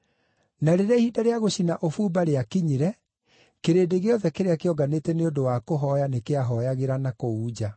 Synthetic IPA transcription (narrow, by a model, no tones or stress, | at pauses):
naɾeɾahiːdaɾeaɣoɕinaʔofuːbaɾeakiɲiɾɛ | keɾeːdeɣeɔðɛkeɾeakeɔɡanetɛneodowakoɦɔjanekeaɦɔjaɣeɾanakouːd͡ʑa